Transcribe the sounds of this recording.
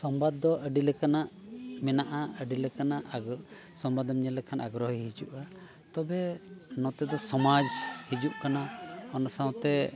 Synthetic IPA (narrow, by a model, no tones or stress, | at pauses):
sɔmbad̪̚ːɔʔəɖilɛkanaʔmɛnaʔaəɖilɛkanaʔ | sɔmbad̪ɔmɲɛlɛkʰanʔaɡɾɔɦɦid͡ʒuʔa | t̪ɔbɛnɔt̪ɛd̪ɔsɔmad͡ʒhid͡ʒuʔkanaɔnɔsaw̃t̪ɛ